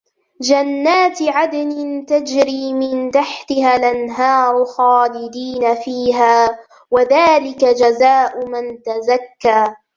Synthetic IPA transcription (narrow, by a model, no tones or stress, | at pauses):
d͡ʒanːaːt̪ʕad̪anɪnt̪ad͡ʒɾiːmɪnt̪aħt̪ɪhaːlʔanɦɑːɾˤxɑːlɪd̪iːnafiːɦaː | waðaːlɪkad͡ʒazaːʔʊmant̪azakːaː